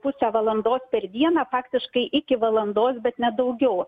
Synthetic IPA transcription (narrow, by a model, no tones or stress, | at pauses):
pʊsʲæʋɐlˠɐnd̪oːspʲɛɾd̪ʲiɛnɑːfɑːkt̪ʲɪʃkɐɪʔɪkʲɪʋɐlˠɐnd̪oːsbʲɛt̪nʲɛd̪ɐʊɡʲɛʊ